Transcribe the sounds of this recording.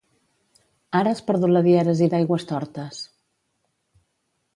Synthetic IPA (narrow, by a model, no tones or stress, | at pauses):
aɾəaspəɾðuləðiɛɾəziðajɣwəst̪ɔɾt̪əs